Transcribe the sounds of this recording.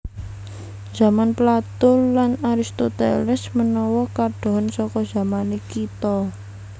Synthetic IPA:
z̥a̤manplat̪ʊlanaɾist̪ot̪ḛlɛsmənɔwɔkaɖ̥o̤ɦnsɔkɔdz̥a̤manekit̪ɔ

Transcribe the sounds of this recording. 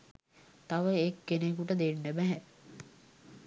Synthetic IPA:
t̪aʋəekːenekuʈəd̪enːəbɛɦɛ

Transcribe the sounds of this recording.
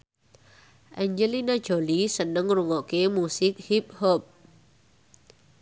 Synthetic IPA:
ʔɛɲd͡ʒəlinad̥d͡ʒ̥olisənəŋruŋɔʔkemusɪk̚hip̚hɔp̚

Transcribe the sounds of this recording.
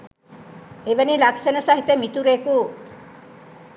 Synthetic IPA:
eʋenilaksenɐsaɦit̪emit̪uɾeːku

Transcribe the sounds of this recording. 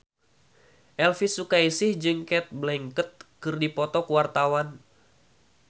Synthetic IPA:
ʔɛlfisukaisɪhd͡ʒɨŋkɛt̪̚blɛŋkət̪̚kɨrdipɔt̪ɔkəwart̪awan

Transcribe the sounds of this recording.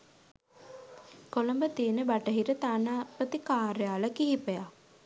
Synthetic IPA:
kolombət̪iənəbaʈəɦiɾət̪aːnaːpət̪ikaːɾəjaːləkiɦipəjak

